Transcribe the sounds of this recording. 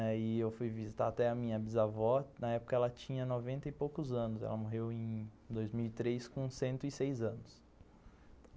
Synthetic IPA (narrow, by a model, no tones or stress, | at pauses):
ɛɪewfujvizit̪aat̪ɛɐmĩɲɐbizavɔnɐɛpʊ̥kɐɛlɐt͡ʃĩɲɐnovẽnt̪ɐɪpowkʊzɐ̃nʊzɛ̰lɐmoɦewẽj̃ | d̪ojzmiwɪt̪ɾejskõsẽnt̪ʊɪsejzɐ̃nʊs